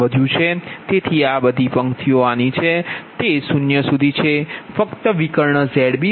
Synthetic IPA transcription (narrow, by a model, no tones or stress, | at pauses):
əd̪ʱjũt͡ʃʰet̪et̪ʰiabəd̪ʱipəŋt̪ʰioanit͡ʃʰet̪esunjəsud̪ʱit͡ʃʰefəkt̪əʋikəɾɳəzɛɽbi